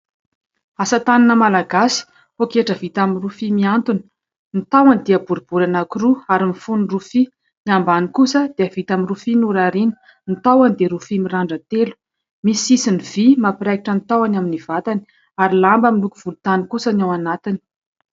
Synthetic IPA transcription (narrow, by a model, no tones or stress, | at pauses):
asət̪aninəmalaɡasi̥ | hokeʈ͡ʂəvit̪aminrufimiant̪uni̥ | nit̪awanid̪iəbuɾibuɾanakuruaɾimifunurufi | niambanikusəd̪̥eəvit̪aminrufinuɾaɾini̥ | nit̪awand̪eɾufimiraɳɖ͡ʐət̪elu̥ | misisiniv̥imapiɾakiʈ͡ʂənt̪awanaminivat̪ani̥ | aɾilambəmilukuv̥ulut̪anikusənjawanat̪ini̥